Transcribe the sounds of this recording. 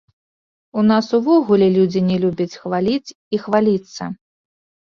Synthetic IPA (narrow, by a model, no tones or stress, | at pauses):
unasuvɔɣulʲɛlʲud͡zʲinʲɛlʲubʲɐt͡sʲxvalʲit͡sʲ | ixvalʲit̪sːɐ